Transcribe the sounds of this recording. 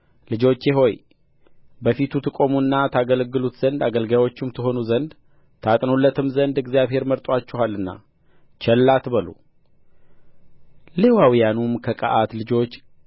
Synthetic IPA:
lɨd͡ʒo̞t͡ʃːjɪɦo̞j | bəfit̪ʰut̪ʰɨkʼo̞muɨnːat̪ʰaɡəlɡːɨlut̪zənd̪aɡəlɡajwo̞t͡ʃːɪmt̪ʰɨɦo̞nuzənd̪ | t̪ʰat̪ʼnolːət̪ʰɨmzənd̪ɨɡzjaβɦe̞ɾməɾt̪ʼwat͡ʃːɛhalːɨnːa̰ | t͡ʃʰɛlːat̪bəlo̰ | le̞wawijanumkʰəkʼə̰ʔat̪lɨd͡ʒo̞t͡ʃː

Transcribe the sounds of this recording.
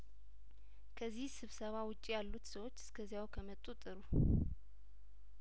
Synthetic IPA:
kʰəzːihsɨβsəβawʊt͡ʃʼijalːut̪səwot͡ʃːɨ̥skʰəzijawkʰəmət̪ʼut̪ʼɨɾu

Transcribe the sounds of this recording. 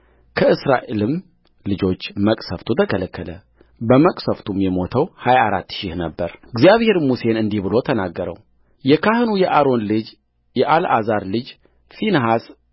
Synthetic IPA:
kʰəɨsɾa̰ʔelɨm | lɨd͡ʒo̞t͡ʃːməkʼsəft̪ʰut̪ʰəkʰələkʰːələ | bəməkʼsəft̪ʰumjɛmo̞t̪ʰəwhajaːɾa̰t̪ːʃɪhnəbːəɾɨɡzjaβhe̞ɾmuse̞nɨnd̪ihbɨlo̞t̪ʰənaɡːəɾə̰w | jɛkʰahɨnujɛʔaɾo̞nlɨd͡ʒ | jɛʔalʔa̰zaɾlɨd͡ʒ | finɦas

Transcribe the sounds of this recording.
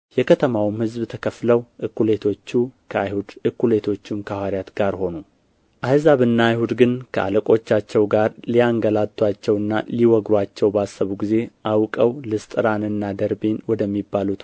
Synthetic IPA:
jɛkʰət̪ʰəmawmhɨzbt̪ʰəkʰəfləwʔɨkːule̞t̪ʰo̞t͡ʃːukʰəajhud̪ɨkːule̞t̪ʰo̞t͡ʃːumkʰawaɾijat̪ɡaɾho̞nu | ʔahzaβɨnːajhud̪ɡɨnkʰəa̰ləkʼo̞t͡ʃːat͡ʃːɛwɡaɾliaŋɡəlat̪ʰʼːwat͡ʃːɛwɨnːaliwɔɡɾat͡ʃːɛwbəasːəβuɡize̞ʔawkʼəwlɨst̪ʼɨɾanɨnːad̪əɾbenwɔd̪əmːibːalut̪

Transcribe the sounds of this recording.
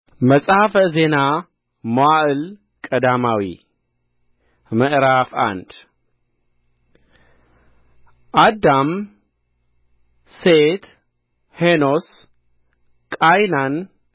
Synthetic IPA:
məsʼhafəze̞na | maʔɨl | kʼɐd̪amawḭ | məʔɾafa̰nd̪ | ʔad̪am | set̪ | henos | kʼajnan

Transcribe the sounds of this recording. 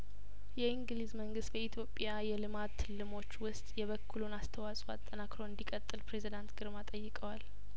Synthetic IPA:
jɛiŋɡlizməŋɡɨst̪kʰəit̪ʰjo̞pʼjajɛlɨmat̪ʰːɨlːɨmo̞t͡ʃːwʊst̪ʼjɛβəkʰːulonast̪ʰəwasʼoa̰t̪ʼːənakɾo̞ɨnd̪ikʼət̪ʼːɨlpɾe̞zid̪ant̪ɡɨɾmat̪ʼəjːɨkʼəwal

